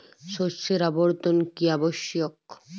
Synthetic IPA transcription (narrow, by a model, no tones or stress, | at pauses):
ʃoseɾaboɾt̪onkiaboʃjok